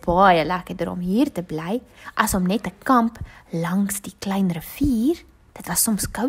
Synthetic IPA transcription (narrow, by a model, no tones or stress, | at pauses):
b̥ɑjəlækədəɾɔ̰mɦiːrtəblɛjʔɐsɔmnɛtəkɐmplɐŋsdiklɛjnɾəfiːr | d̥ətvɐsːɔmskəw